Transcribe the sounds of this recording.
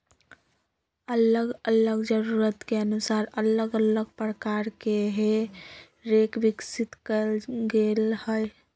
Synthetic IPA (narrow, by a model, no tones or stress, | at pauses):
ələɡələɡd͡ʒəɾuɾət̪keənusaɾələɡələɡ̚pɾəkaɾkeɦe | ɾekʋiksit̪kəlɡelhəj